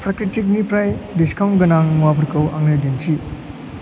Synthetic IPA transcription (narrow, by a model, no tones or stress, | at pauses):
pʰɾakɾitik̬̚nipɾajdiskʰawnɡɐnaŋwapʰɐɾkɐwʔa̰ŋnɯdinsi